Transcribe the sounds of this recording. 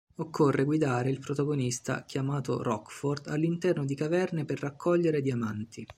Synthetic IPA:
okʰːorːeɡwid̪aːɾeilpɾot̪aɡonist̪a̰kʰʲjamaːt̪o̰ɾɔkford̪a̰lːint̪ɛrnod̪ikavɛrneperːakʰːɔʎːeɾed̪iamant̪i

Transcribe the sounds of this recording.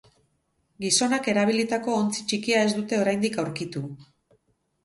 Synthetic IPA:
ɡiso̞nake̞ɾaβ̞ilit̪ako̞ːnt͡si̥t͡ʃikiae̞zd̪ut̪e̞oɾajnd̪ikawɾkit̪u

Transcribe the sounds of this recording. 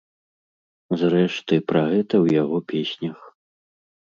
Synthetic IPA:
zɾɛʂt̪ɨpɾaɣɛt̪ɐwjaɣɔpʲesʲnʲɐx

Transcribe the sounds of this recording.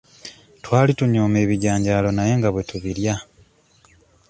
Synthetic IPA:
twaːlituɲoːme̞ːβiɟaːɲɟaːlo̞naje̞ŋɡaβwe̞tuβiɾja

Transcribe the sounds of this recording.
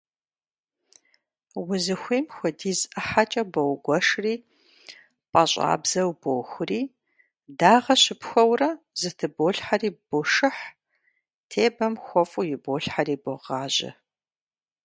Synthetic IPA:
wʊzɨxʷiːmxʷɔdiːzɐħat͡ʃʼɐbowɡʷɔʂriː | pʼɐɕʼa̰ːbz̥ɐwbowxʷʊriː | daːʁɐɕɪpxʷɔwrɐ | zɨtʰɨboːɬħariːb̥oʂɨħ | tʰeːbɐmxʷɔfʼʊjɪboːɬħariːboʁɑːʒɪ̰

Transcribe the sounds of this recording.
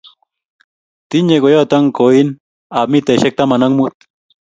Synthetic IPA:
t̪iɲekojat̪aŋkoin | amit̪eʃek̚t̪amanaŋmut̪̚

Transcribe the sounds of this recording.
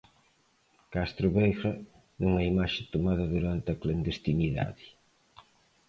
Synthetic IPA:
kast̪ɾʊβejʁɐ | nuŋaimaʃɪt̪omaðɐðuɾant̪ɪɐkland̪est̪iniða̰ðɪ

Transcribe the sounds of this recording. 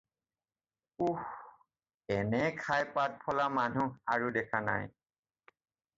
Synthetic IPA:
ux | ɛnɛkʰajpat̚pʰɔlamanuaɹudɛkʰana̰j

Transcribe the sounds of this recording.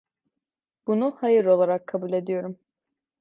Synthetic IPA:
b̥unuhajɯɾo̞lˠaɾakʰːabulʲe̞d̪ijo̞ɾum

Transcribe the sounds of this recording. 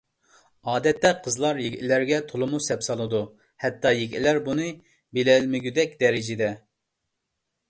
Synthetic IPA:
ɑːd̪ɛt̪ːɛqʰəzlˠɑɾjeɡʲlæɾɡʲɛt̪ʰolˠɨmusɛpsɑlˠɨd̪u | hɛt̪ʰːɑjeɡʲlæɾbunɨ | belɛlmɪɡʲyd̪ɛkʲd̪ɛɾɪd͡ʒɪd̪ɛ

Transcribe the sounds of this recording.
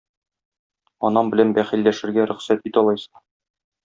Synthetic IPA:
ɒnɑmbɘ̆lænbæχilːæʃɘ̆ɾɡæɾɵ̆χsæt̪̚bit̪ɒlˠɑjsɤ̥ɴ

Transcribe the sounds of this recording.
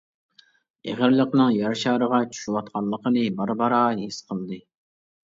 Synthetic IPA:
eʁɪɾlˠəqnɨŋjɑɾʃɑːɾəʁɑt͡ʃʰy̥ʃywɑt̪̚qʰɑnlˠːəqənɨbɑɾbɑɾɑːɦesqʰəlˠd̪ɨ

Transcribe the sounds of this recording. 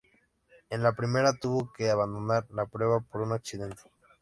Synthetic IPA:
e̞nlapɾime̞ɾat̪uβo̞ke̞aβand̪o̞naɾlapɾwe̞βapo̞ɾunaksiðe̞nt̪e̥

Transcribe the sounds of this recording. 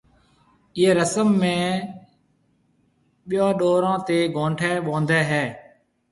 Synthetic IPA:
ɪeːɾəsəmːẽː | ɓɪjãːɗoːɾãːt̪eːɡʱõːɳʈʰɛːɓõːnd̪ɛːɦɛː

